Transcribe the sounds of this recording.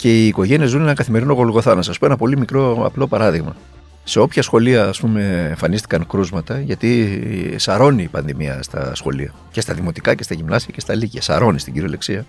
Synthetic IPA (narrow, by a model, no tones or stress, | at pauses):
ce̞iːko̞ʝe̞niezune̞nɐŋkɐθime̞ɾino̞ɣo̞lɣo̞θɐnɐsɐspoenɐpo̞limikɾo̞ɐ̰plo̞pɐɾɐðiɣmɐ | se̞o̞pçɐsxo̞liɐːspume̞ːɱfɐnist̪i̥kɐŋkɾuzmɐt̪ɐʝɐt̪isɐɾo̞niːpɐnðimiɐ̰st̪ɐ̰sxo̞̰liɐ̰ | ce̞st̪ɐðimo̞t̪ikɐce̞st̪ɐʝimnɐsiɐce̞st̪ɐliʝɐsɐ̰ɾo̞nist̪iɟiɾioleksiɐ